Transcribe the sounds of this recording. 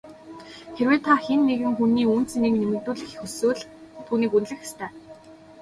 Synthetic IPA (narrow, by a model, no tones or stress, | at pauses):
xeɾweːt̪ʰaxenːeɣɘ̆ŋxuniːun̥t͡seneːknemɘ̆rt̪uːɮɘ̆xxɵsoːɮt̪ʰuːniːkunɮɘ̆xe̥st̪ʰæː